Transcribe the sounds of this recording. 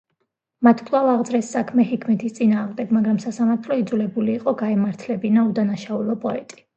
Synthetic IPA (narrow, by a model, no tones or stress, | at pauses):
mat̪ʰkʼlˠavaʁd̪zɾɛsːakʰmɛhikʰmɛt̪ʰist̪sʼinaːʁmd̪ɛɡmaɡɾamsasamaɾt̪ʰlˠɔid̪zulɛbuliːqʼɔɡaɛmaɾt̪ʰlɛbinaud̪anaʃaulˠɔpʼɔɛt̪ʼi̥